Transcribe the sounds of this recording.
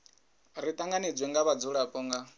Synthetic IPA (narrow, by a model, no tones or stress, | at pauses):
ɾit̪ʼaŋɡanid͡zwɛŋɡaβad͡zuɺapʼɔŋɡa